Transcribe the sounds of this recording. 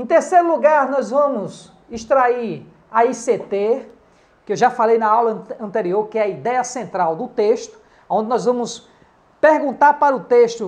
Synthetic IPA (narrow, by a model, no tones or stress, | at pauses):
ẽt̪eɾseɾʊluɡaɾnɔzvɐ̃mʊs | iʃt̪ɾaiɾ | aiset̪e | kɪewʒafalejnɐawlɐ̃ɐ̃nt̪eɾioɾkɪɛɐid̪ɛjɐsẽnt̪ɾawd̪ʊt̪eʃt̪ʊ̥ | aõd̪ɪnɔzvɐ̃mʊs | peɾɡũnt̪aɾpaɾʊt̪eʃt̪ʊ